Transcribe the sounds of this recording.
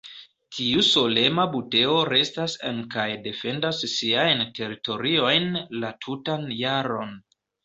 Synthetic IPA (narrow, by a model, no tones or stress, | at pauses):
tʰiuso̞le̞mabute̞o̞ɾe̞stasḛnkajde̞fe̞ndasːiajntʰe̞ɾito̞ɾio̞jnlatʰutanjaɾo̞n